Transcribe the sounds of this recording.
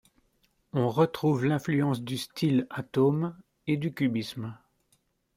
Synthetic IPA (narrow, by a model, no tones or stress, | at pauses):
ɔ̃ʁət̪χuvlɛ̃flyɑ̃sd̪yst̪ʰilat̪om | ed̪ykʲybism